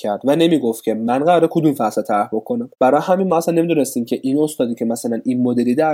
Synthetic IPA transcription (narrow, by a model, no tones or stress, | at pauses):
æɾd̪væne̞miːɡoft̪̚cʰe̞mænɢæɾɒːɾekʰod̪uːmfæset̪ʰæɾhbokʰo̞næmb̥æɾɒjɦæminmɒːæsænːe̞mid̪une̞st̪iːmcʰe̞ʔino̞st̪ɒːd̪iːcʰe̞mæsælænʔinmod̪elid̪æ